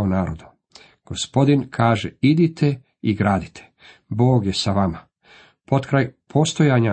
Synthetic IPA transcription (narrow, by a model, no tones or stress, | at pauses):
onaːɾod̪u | ɡ̥ospo̞d̪inkʰaːʒeid̪it̪ʰe | iɡɾaːd̪it̪ʰe̥ | bo̞ːɡjesaʋama | po̞t̪kɾajpʰo̞st̪o̞jaɲa